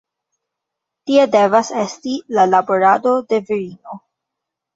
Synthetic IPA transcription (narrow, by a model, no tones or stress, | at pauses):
tie̞de̞vase̞stilalabo̞ɾado̞de̞viɾino̞